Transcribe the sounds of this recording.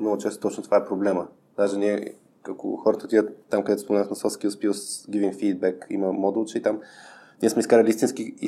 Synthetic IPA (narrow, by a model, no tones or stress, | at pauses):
mnɔɡʊt͡ʃɛst̪ot̪ɔt͡ʃnot̪ovaɛpɾoblɛmə | d̪aʒɛnʲiɛ | ako̰xɔɾət̪əot̪id̪ʲət̪ːamkɐd̪ɛt̪spomɛnavəxnɐsɔfskʲispisɡʲivimfid̪̚bɛkḭməmɔd̪ulˠt͡ʃɛit̪amnʲiɛsmɛiskaɾlʲist̪inski